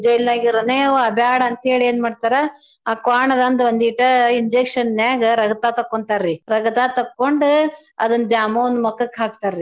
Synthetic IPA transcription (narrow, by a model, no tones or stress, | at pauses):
d͡ʒɐjlnaːɡiɾɐnɐjɐʋɐbjaːɽɐɐnt̪eːɭieːnmaːɖt̪aːɾɐ | aːkaːɳɐd̪ɐnd̪ʋɐnd̪iʈɐiɲd͡ʒekʂɐnnjaːɡɐɾɐɡɐt̪aːt̪ɐkːoɳt̪aːɾɾiɾɐɡɐt̪aːt̪ɐkːoɳɖu | ɐ̰d̪ɐnd̪jaːmɐond̪mɐkːɐkːaːɡ̚t̪aːɾɾi